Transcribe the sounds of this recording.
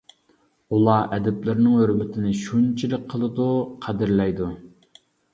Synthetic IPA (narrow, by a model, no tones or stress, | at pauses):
ulˠɑʔɛd̪ɪplɪɾɪnɪŋhøɾmɪt̪ʰɪnɪʃunt͡ʃʰilɪk̚ʲqʰəlˠɨd̪uqʰæd̪ɪɾlɛjd̪u